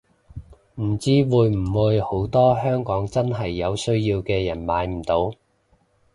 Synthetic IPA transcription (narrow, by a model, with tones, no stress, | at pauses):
m̩˨˩t͡siː˥wuː˨˧jm̩˨˩wuː˨˧jho˨˥wt̪ɔː˥ɦœː˥ŋkɔː˨˥ŋt͡sɐ˥nɦɐ˨jːɐ˨˧wsɵ˥ɥjiː˧wkɛː˧jɐ˨˩nmaː˨˧˥jm̩˨˩t̪o˨˥w